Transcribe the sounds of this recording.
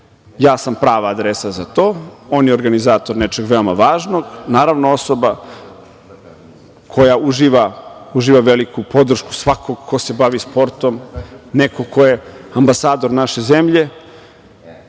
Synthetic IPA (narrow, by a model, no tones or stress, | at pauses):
jaːsampɾaːʋaːd̪ɾesazat̪o̞ːoːnjeoɾɡanizaːt̪o̞ɾnet͡ʃeɡʋe̞omaʋaːʒno̞ɡnaːɾaʋnoo̞soba | kʰo̞jauʒiːʋauʒiːʋaʋelikupo̞d̪r̩ʃku̥sʋakʰoɡkʰo̞se̞baʋispo̞ɾt̪o̞mneko̞kʰo̞jeambasaːd̪o̞ɾnaʃezemʎe̞